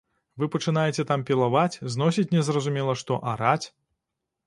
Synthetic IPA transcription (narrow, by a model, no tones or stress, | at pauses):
vɨpɐt͡ʂɨn̪ajɛt͡sʲɛt̪ampʲilˠavat͡sʲzn̪ɔsʲit͡sʲnʲɛzrɐzumʲɛlˠɐʂt̪ɔʔaɾat͡sʲ